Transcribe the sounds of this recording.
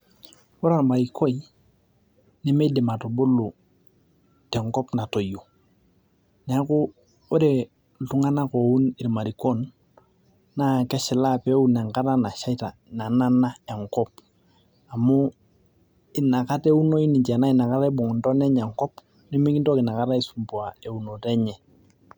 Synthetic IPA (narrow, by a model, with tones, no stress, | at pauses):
ɔ˦ɾa˨ɾma˨ɾi˨ko˦i˨ | nɛ˦mɛ˦dɪ˨ma˨to˨bo˦lʊ˨ | tɛ˨ŋkɔ˦pna˨to˨jo˨ | nɛ˨a˦kʊ˦ | ɔ˦ɾe˨ | tu˦ŋa˦na˦kɔ˨u˦nɪ˨ɾma˨ɾi˨ko˦n | na˦kɛ˦ʃɪ˨la˦pɛ˦u˦nɛ˨ŋka˦ta˦na˨ʃa˦i˦ta˨na˨na˦na˦ɛ˨ŋkɔ˦p | a˨mʊ˦ | ɪ˨na˨ka˦te˦u˦no˦i˦ni˨ɲt͡ʃɛ˨na˦ɪ˨na˨ka˦ɾa˦i˦bʊ˨ŋʊ˨ndɔ˦nɛ˦ɲɛ˨ŋkɔ˦p | ni˦m˦ki˦nto˦kɪ˨na˨ka˦ɾa˦i˦su˨mpu˨a˨e˨u˨no˨tɛ˦ɲɛ˨